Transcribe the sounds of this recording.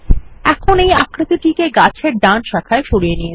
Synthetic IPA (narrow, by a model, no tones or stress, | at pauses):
ɛkʰonejakɾat̪iʈikeɡat͡ɕʰeɾɖanʃakʰaeʃoɾijenije